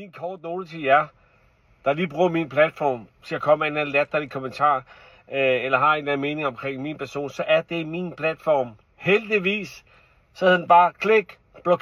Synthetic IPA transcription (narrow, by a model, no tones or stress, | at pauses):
inkʰɒːd̥̚no̝ːð̩ˠt͡sʰe̝ljæɐ | d̥ɑ̈liːb̥ʁuɐminpʰlæd̥fɒ̰ːmt͡sʰejɑkʰɒ̽m̰ɐenænlæd̥̚d̥ɑikʰoment͡sʰɑ̰̈ː | elɐɦɑ̈e̝nlænəme̝ːne̝ŋɒ̽mkʰʁeŋ̰minpʰæɐso̝̰ːnsɒ̽ʔæɐd̥e̝minpʰlæd̥fɒ̰ːm | held̥iʋḭːsː | ɒ̽hðˠenb̥ɑ̈ːkʰle̝ɡ̥ | b̥lɒkʰ